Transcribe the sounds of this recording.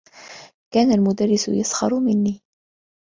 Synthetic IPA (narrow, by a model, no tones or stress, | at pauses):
kaːnalmʊd̪arːɪsʊ̰jasxɑ̰ɾˤmɪnːiː